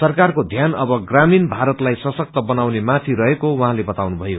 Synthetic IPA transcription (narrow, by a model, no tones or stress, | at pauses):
sʌrkarkod̪ʱjanʌbʌɡraminbʱaɾʌt̪lajsʌsʌk̚t̪ʌbʌnawnemat̪ʰiɾʌɦekowʌɦãlebʌt̪awnubʱʌjo